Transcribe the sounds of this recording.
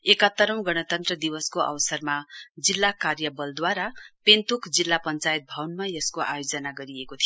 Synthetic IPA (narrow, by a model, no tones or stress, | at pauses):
ekʌt̪ːʌɾʌw̃ɡʌñʌt̪ʌnt̪rʌd̪iwʌskoʔʌ̰wsʌrmad͡zilːakarjʌbʌld̪waɾapent̪ukd͡zilːapʌnt͡sajt̪̚bʱawnmajʌskoʔajod͡zʌnaɡʌɾiekot̪ʰijo